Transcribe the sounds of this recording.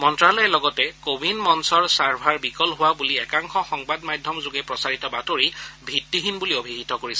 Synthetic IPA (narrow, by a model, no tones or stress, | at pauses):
mɔntɹalɔjɛlɔɡɔtɛkobinmɔnsɔɹsaɹbʱaɹbikɔlɦʊwabuliɛkaŋxɔxɔŋbadmajdʱjɔmzoɡɛpɹɔsaɹitɔbatoɹibʱitːiɦinbuliobʱiɦitɔkoɹisɛ